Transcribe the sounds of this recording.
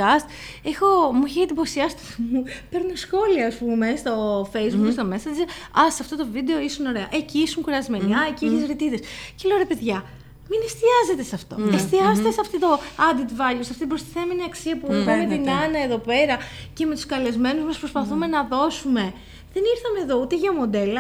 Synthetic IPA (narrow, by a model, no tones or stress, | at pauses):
ɐst̪ | exo̞muçiɐd̪ipo̞siɐsi̥t̪mupe̞ɾnosxo̞liɐːspume̞st̪o̞fe̞jizbukst̪omesɐd͡ʒetɐsɐft̪o̞t̪o̞vid̪e̞o̞isuno̞ɾe̞ɐʔeciisuŋkuɾɐzme̞niɐecieçezɾit̪iðesceloɾepe̞ðʝɐ | minest̪iɐzet̪e̞sɐft̪o̞est̪iɐst̪esɐft̪it̪o̞ɐd̪it̪vɐʎosɐft̪it̪ibɾost̪iθe̞me̞niɐksiɐpuevɐnet̪inɐnɐe̞ðo̞pe̞ɾɐce̞me̞t̪u̥skɐle̞zme̞nuzmɐspɾospɐθume̞nɐðo̞sume̞ | ðe̞niɾθɐme̞ːðo̞ut̪eʝɐmo̞d̪e̞lɐ